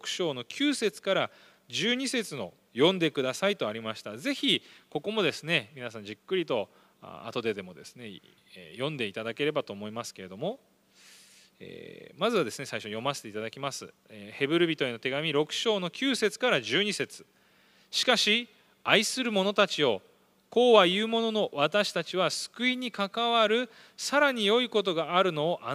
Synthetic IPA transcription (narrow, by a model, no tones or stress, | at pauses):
ɾokɯ̟̥ɕo̞ːno̞kʲʰɨːse̞t͡sɨ̥kaɾa | d͡ʑɨːɲ̟ise̞t͡sɨno̞ | jõ̞nd̪e̞kɯ̟d̪asait̪o̞aɾʲimaɕi̥t̪aze̞çʲiko̞ko̞mo̞d̪e̞sɨne̞mʲinasãɲ̟d͡ʑikːɯ̟ɾʲit̪o̞̰ | a̰t̪o̞d̪e̞d̪e̞mo̞d̪e̞sɨ̥ne̞ | jõ̞nd̪e̞it̪ad̪ake̞ɾe̞bat̪o̞ːmo̞imasɨ̥ke̞ɾe̞d̪o̞mo̞ | ḛːmazɨβad̪e̞sɨne̞saiɕo̞jo̞maset̪eit̪ad̪akʲimasɨ̰ehe̞bɯ̟ɾɯ̟bʲit̪o̞ino̞t̪e̞ɡamʲiɾo̞kɯ̟̥ɕo̞ːno̞kʲɨːse̞t͡sɨ̥kaɾaʑɨːɲ̟ise̞t͡sɨ̥ | ɕi̥kaɕi | aisɨɾɯ̟mo̞no̞t̪at͡ɕio̞ | ko̞ːβajɯːmo̞no̞no̞βat̪aɕi̥t̪at͡ɕiβasɨ̥kɯ̟iɲ̟ikakaβaɾɯ̟ | saɾaɲ̟ijo̞iko̞t̪̬o̞ɡaaɾɯ̟no̞ːʔa